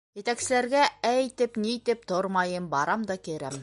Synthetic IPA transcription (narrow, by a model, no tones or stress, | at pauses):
jɘ̆t̪æksɘ̆læɾɡææjt̪ɘpnit̪ɘp̚t̪oɾmɑjɤmbɑɾɑmd̪ɑkiɾæ̰m